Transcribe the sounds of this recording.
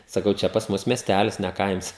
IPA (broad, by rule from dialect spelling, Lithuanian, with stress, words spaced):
sɐˈkɐʊ ˈt͡ʃʲɛ pɐs ˈmʊs mʲiɛˈsʲtʲælʲɪs nʲɛ ˈkɐɪms